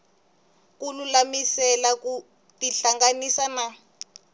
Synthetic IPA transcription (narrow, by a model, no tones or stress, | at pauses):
kunulamisɛlaku | tiɬaŋɡanisana